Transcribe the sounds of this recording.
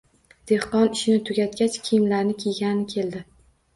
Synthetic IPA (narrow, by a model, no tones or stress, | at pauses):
d̪̥e̞hqɒnɪʃɪnɪt̪ʰʊɡʲat̪̚kʲat͡ʃkʲʰijɪmlaɾnɪkʲʰejɡʲanɪnɪkʲʰe̞ld̪ɪ